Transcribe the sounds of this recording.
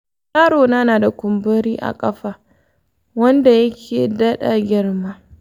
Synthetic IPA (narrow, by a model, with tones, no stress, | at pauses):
jaː˦ɽoː˨naː˦naː˨da˨kʷʊ˨mbɐ˦ɾiː˦ʔa̰˨kʼɐ˦ɸaː˨ | wɐ˦nda˨jɐ˦kʲʰeː˨daː˦ɗa˨ɡʲɪ˦rma˦